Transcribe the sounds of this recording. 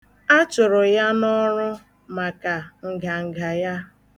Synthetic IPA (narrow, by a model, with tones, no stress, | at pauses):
a˦t͡ʃʊ˨ɾʊ˨ja˦nɔ˦ɾʊ˦ | ma˨ka˨ŋ̩˨ɡa˨ŋ̩˨ɡa˨ja˦